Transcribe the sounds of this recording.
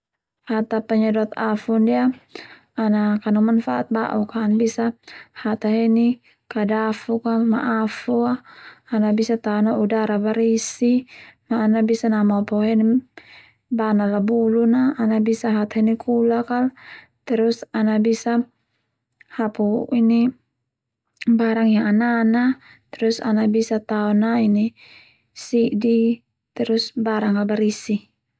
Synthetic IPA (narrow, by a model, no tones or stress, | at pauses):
hat̪apaɲadɔt̪afundia | anakanumanfaʔat̪̚ba̰ʔukaːnbisahat̪aɦɛni | kadafukama̰ʔafuaːnabisat̪anaudaɾabaɾisimaːnabisanamapɔɦɛn | banalabulunaːnabisaɦat̪ɦɛnikʰulakal | t̪ɛɾusanabisa | hapuini | baɾaŋjaŋanana | t̪ɛɾusa̰nabisat̪aɔnaini | siʔdi | t̪ɛɾusbaɾaŋabaɾisi